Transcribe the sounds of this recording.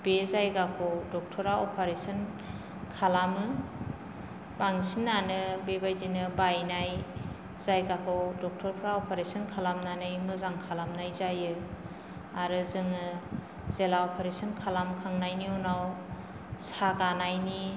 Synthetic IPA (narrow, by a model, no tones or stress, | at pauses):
b̥ezajɡakʰɔwdɔk̚tʰɔɾaɔpʰaɾesɔn | kʰalamɯ | baŋsinːanɯbebajdinɯbajnaj | zajɡakʰɔwdɔk̚tʰɔɾpʰɾaɔpʰaɾesɔnkʰalamnanɯjmɯzaŋkʰalamnajzajɯ | aɾɯzɯŋɯ | zelaɔpʰaɾesɔnkʰalamkʰaŋnajniunaw | saɡanajni